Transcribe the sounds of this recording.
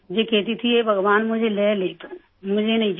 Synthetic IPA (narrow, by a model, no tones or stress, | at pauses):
d͡ʒekɛːt̪̬it̪ʰiebʱɐɡʋaːnmʊd͡ʒʱelɛleːt̪ː | mʊd͡ʒʱenɐĩd͡ʒ